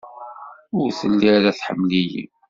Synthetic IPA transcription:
ʊɾθəlːiɾæθħə̰mːlijḭ

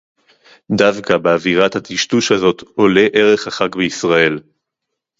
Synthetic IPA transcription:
d̪avkabeaviʁathat̪iʃtuʃhazo̞t̪o̞le̞ʔe̞ʁe̞χaχaɡbeisʁae̞l

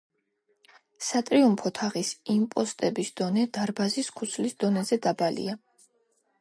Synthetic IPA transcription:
sat̪ʼɾiumpʰɔt̪ʰaʁisimpʼɔst̪ʼɛbisd̪̥ɔnɛd̪̥aɾbaziskʰu̥t̪sʰlisd̪̥ɔnɛzɛd̪abalḭa

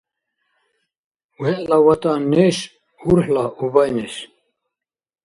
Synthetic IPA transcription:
wɛʔlawat̪anɪs | uɾɦlaɔɣvajnɪs

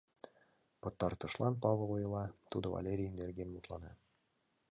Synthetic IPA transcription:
pŏt̪ːɑɾt̪ɤ̆ʃlˠɑnpɑvlˠujɤ̆lˠɑt̪ud̪ɤvɐ̰lʲeɾʲiind̪erʲɡʲenbut̪lˠɑnɑ

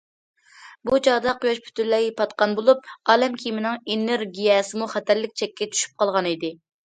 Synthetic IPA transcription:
but͡ʃʰɑd̪ɑqojɑʃpʰy̥t̪ʰylːɛjepɑt̪qɑnbolˠup̚ɑːlɛmkʲʰimɪnɪŋeneɾɡʲijɛsɨmuχɛt̪ʰæɾlɪk̚ʲt͡ʃʰɛkʲːɛt͡ʃʰy̥ʃy̥p̚qɑlˠʁɑnid̪ɪ

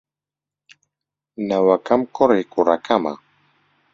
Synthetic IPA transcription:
nawakamkoɾɪkʊɾakama̰

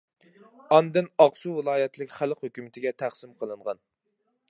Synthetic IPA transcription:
ɑnd̪ɨnɑqsuvɨlˠɑːjɛt̪ʰlɪkʲχælˠqhøkʲymɪt̪ʰɪɡʲɛt̪ʰæχsɪmqʰəlˠɨɴʁɑn

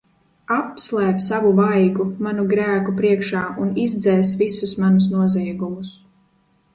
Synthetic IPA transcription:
apslˠɛːpsavuvajɡumanuɡɾæːkupɾiɛkʃaːʔunizd̪zɛːs̬visusmanus̬nuɔzɛjɡumus

